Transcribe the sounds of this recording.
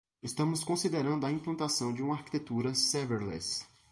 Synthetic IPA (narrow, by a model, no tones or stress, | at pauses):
ɪst̪ɐ̃mʊskõsid̪eɾɐ̃nd̪ʊɐĩplɐ̃nt̪asɐ̃w̃d͡ʒɪũmɐaɾki̥t̪et̪uɾɐsɛveɾlɛ̰s